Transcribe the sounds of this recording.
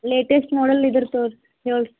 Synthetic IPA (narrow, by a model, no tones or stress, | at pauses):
leːʈesʈmoːɽɐlid̪ɨɾt̪oːɾ | ɦeːɭ